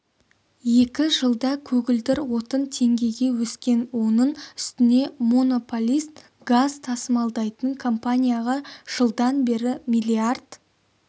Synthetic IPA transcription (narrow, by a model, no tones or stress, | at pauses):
je̞kʲɪʒəlˠd̪ɑkʲʰɵɡʲɪld̪ɪɾwo̞t̪ənt̪ʰe̞ŋɡʲe̞jɡʲe̞wɵskʲe̞nwo̞nəɴʏst̪ɪne̞mono̞polʲijst̪ | ɡazt̪ʰɑsəmɑlˠd̪ɑjt̪əŋkʰo̞mpanʲijaʁɑʒ̥əlˠd̪ɑnbe̞ɾɪmijlʲiard̪̥